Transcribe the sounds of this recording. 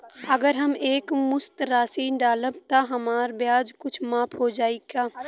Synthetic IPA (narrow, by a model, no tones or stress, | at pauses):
ɐɡəɾɦɐmeːkmʊst̪ɾaːsiːnɖaːləb̚t̪aɦɐmaːɾbjaːd͡ʒkʊt͡ʃʰmaːpʰɦod͡ʒaːeɡaː